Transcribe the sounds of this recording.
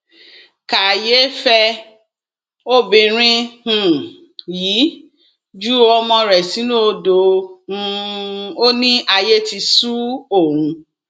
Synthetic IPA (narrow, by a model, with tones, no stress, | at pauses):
ka˨je˦fɛ˦˧ | o˦bĩ˧ɾ̃ĩ˦hũ˨ | jiː˨˦ | d͡ʒu˦o˧ɔ˧mɔ̃˧ɾɛ˨si˨˦nũ˦o˧dõ˨˧ | o˦nĩ˦ʔa˧je˦ti˧su˦o˦˨ɾũ˨˧